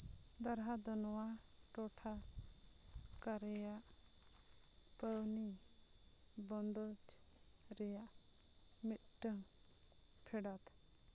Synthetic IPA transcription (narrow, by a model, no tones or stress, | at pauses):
d̪aɾɦad̪ɔnɔwa | ʈɔʈʰa | kaɾɛjaʔ | pəɭni | bɔnd̪ɔt̪ | ɾɛjaʔ | mit̪̚ʈəŋ | pʰɛɖat̪ʰ